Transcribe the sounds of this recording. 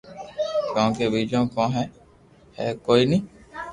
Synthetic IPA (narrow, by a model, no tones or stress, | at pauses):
kõõːkeːʋiːd͡ʒõːkɔ̃ːɦɛː | hɛːkoːiːnĩː